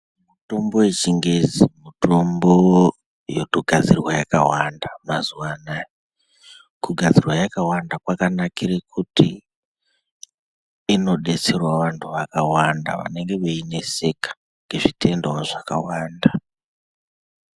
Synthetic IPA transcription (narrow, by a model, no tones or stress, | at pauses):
muto̞mbo̞wet͡ʃiŋɡed͡zimuto̞mbo | jotoɡʱad͡zirwajakawandamazuwanaj | kuɡʱad͡zirwajakawandakwakanakirekʰuti | no̞ɗe̞t͡se̞rwaʋantʰuʋakawanda̰ʋa̰ne̞ŋɡe̞ʋeine̞se̞kḁ | ŋɡe̞ʐitʰe̞ndowaʐaka̰waːnda